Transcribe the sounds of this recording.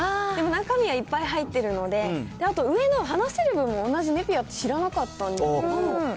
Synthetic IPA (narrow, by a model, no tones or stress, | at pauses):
aemo̞nakamʲiɡaipːaiɦait̪ːe̞ɾɯ̟no̞d̪e̞d̪̥e̞at̪o̞ɯ̟e̞no̞ɦanaɕseɾɯ̟bɯ̟̃mːo̞ːnːaʑime̞pʲiat̪ːe̞ɕiɾanakat̪ːãnd̪esked̪oo